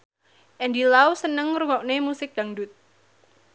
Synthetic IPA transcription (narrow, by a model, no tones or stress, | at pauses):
ʔɛndilawsənəŋruŋɔʔ̚nemusɪk̚d̥aŋdut̪̚